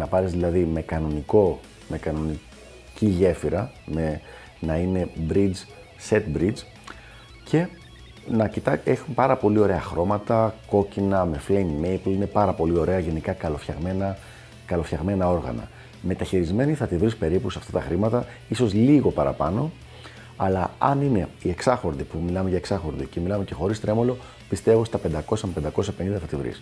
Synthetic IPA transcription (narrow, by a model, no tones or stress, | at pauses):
nɐpɐɾezðilɐðime̞kɐno̞niko̞ | me̞kɐno̞ni | ciʝe̞fiɾɐme̞ | nɐine̞bɾid͡z | se̞t̪̚bɾid͡z | cʰe̞ | nɐcit̪ɐexumpɐɾɐpo̞lio̞ɾe̞ɐxɾo̞mɐt̪ɐko̞cinɐme̞flejnmejpline̞pɐɾɐpo̞lio̞ɾe̞ɐʝe̞nikɐkɐlofçɐɣmenɐ | kɐlo̞fçɐɣme̞nɐo̞ɾɣɐ̰nɐ̰ | me̞t̪ɐçiɾizme̞niθɐt̪ivɾispe̞ɾipusɐft̪ɐt̪ɐxɾimɐt̪ɐ | iso̞zliɣo̞pɐɾɐ̰pɐno̞ | ɐlɐɐnine̞ie̞ksɐxo̞ɾðipumilɐme̞ʝɐeksɐxo̞ɾðḭce̞milɐme̞ce̞xo̞ɾist̪ɾemo̞lo̞ | pist̪evost̪ɐpe̞nd̪ɐko̞sɐmpend̪ɐko̞sɐpe̞nind̪ɐθɐt̪ivɾḭs